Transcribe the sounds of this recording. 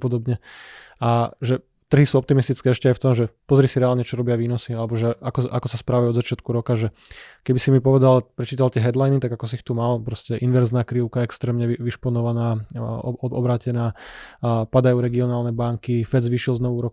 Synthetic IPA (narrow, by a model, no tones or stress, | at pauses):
pɔd̪ɔbɲɛaʒɛ | t̪r̩ɦisuːɔp̚t̪imist̪it͡skɛːɛʃcɛajft̪ɔmʒɛpɔzɾisiɾɛaːlɲɛt͡ʃɔɾɔbɪaʋiːnɔsialɛbɔʒɛʔakɔʔa̰kɔsaspɾaʋajɔd̪zat͡ʃɪat̪kuɾɔkaʒɛkɛbisimipɔʋɛd̪alpɾɛt͡ʃiːt̪alt̪ɪɛɦɛd̪lajnit̪aɡakɔs̬iːxt̪umalpɾɔscɛʔinʋɛɾznaːkɾiʊkaɛkst̪ɾɛːmɲɛʋiʃpɔnɔʋanaːɔɔbɾaːcɛnaː | pad̪ajuːɾɛɡiɔnaːlnɛbaŋkifɛzʋiːʃilznɔʋuːɾɔk